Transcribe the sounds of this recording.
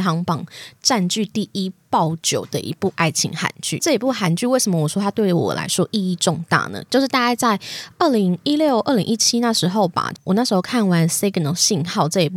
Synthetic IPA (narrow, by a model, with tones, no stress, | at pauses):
ɦɑ˧˥ŋpɑ˨˩˦ŋʈ͡ʂa˥˧nt͡ɕy˥˧t̪i˥˩i˦˥pɑ˥˨˩ʊt͡ɕjo˨˩ʊd̪ə˦ʔḭ˧˥pu˥˩ʔa˥˩ɪt͡ɕʰḭ˧˥ŋxa̰˨˩nt͡ɕy̰˥˩ʈ͡ʂɤ˥˩i˧˥pu˥˩xa˨˩nt͡ɕy˥˧we˥˩ɪʂə˧˦mə˧wɔ˨˩ʂwɔ˥t̪ʰa˥t̪we˥˩ɪwɔ̰˨˩la̰˧˥ɪʂwɔ˦˥ʔi˥˧i˥˧ʈ͡ʂʊ˥˧ŋt̪a̰˥˩nə̰˩t͡ɕjo˥˧ʊʂɻ̩˥˩t̪a˥˧ka˥˧ɪt͡sa˥˩ɪə˥˩li˧˥ŋi˦˥ljo˥˧ʊʔə˥˩˨lḭ˧˥ŋi˥˩t͡ɕʰi˦˥na˥˩ʂɻ̩˧˥xo˥˩ʊba̰˨˩wʔɔ˨˩na˥˩ʂ̩ɻxo˥˧ʊkʰa˥˩nwa˧˦nse˥ɪkə˨nə˧˩ɕi˥˧nxɑ˥˧ʊt͡sɤ˥˩i˧˥˩pu˥˩